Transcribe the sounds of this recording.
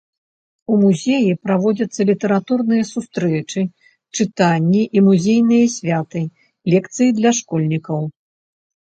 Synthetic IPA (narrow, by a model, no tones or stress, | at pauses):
umuzʲejipɾavɔd͡zʲɐt̪sːɐlʲit̪ɛɾat̪urnɨjɐsust̪ɾɛt͡ʂɨ | t͡ʂɨt̪anʲːiʔimuzʲejn̪ɨjɐsʲvʲat̪ɨ | lʲɛkt̪sɨjid̪lʲɐʂkɔlʲnʲikɐw